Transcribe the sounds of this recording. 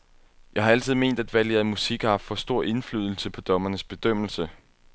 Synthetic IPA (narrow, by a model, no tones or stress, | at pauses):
jɑ̈ɪhɑ̈æl̰t͡sʰiðˠme̝̰ːnd̥æd̥ʋæleɐð̩ˠmusiɡ̥ɑfɒsd̥o̝ɐ̰ʔe̝nfly̰ːð̞ˠl̩səpʰɒ̽d̥ɒ̽mɐnəsb̥e̝d̥øm̰l̩sə